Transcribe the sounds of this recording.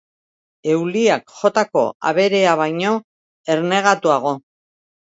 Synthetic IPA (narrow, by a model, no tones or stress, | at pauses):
e̞wliakʝo̞t̪ako̞̰a̰β̞e̞ɾe̞aβ̞ajɲo̞ | e̞ɾne̞ɣ̞at̪uaɣ̞o̞